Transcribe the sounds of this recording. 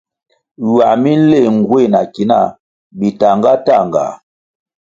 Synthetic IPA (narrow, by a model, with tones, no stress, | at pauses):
wa˨mi˦n̩˦le˦˨ŋ˨ɡwe˦˨na˨ki˨˦na̰˦˨ | bi˨ta˨ŋɡa˦ta˦˨ŋ˨ɡa̰˨